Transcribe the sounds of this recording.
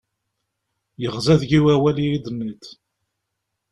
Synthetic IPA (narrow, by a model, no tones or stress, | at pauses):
jəʁzæðʝiwæwælijid̪ənːit̪